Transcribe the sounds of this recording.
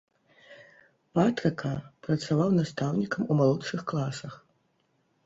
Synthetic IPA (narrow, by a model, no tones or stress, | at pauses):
pat̪ɾɨkɐpɾɐt̪savawnast̪awnʲikɐmumalˠɔtʂɨxklˠasɐx